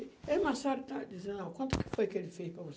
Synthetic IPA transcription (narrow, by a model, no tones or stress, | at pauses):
emasaɾʊt̪ad͡ʒizẽnd̪ɐ̃w̃kwɐ̃nt̪ʊ̥kɪ̥fojkɪelɪfejspɾɐvos